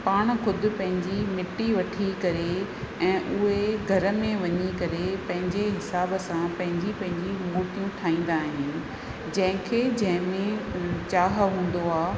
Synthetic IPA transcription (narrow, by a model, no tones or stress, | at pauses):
paːɽ̃xʊd̪ʊ̆pɐ̃ɦɪ̃ɲd͡ʑimɪʈːiʋɐʈʰikɐɾe | ɛ̃ːʔʊɦeeɡʱɐɾə̆mẽʋɐɲikɐɾepɐ̃ɦɪ̃ɲd͡ʑeɦɪsaːbəsãpɐ̃ɦɪ̃ɲd͡ʑipɐ̃ɦɪ̃ɲd͡ʑimuːʈijũʈʰaːĩːn̆d̪aːɦɪnɪ̆ | d͡ʑɐ̃ɦɪ̃kʰed͡ʑɐ̃ɦɪ̃mẽt͡ɕaːɦɦũːn̆d̪oaː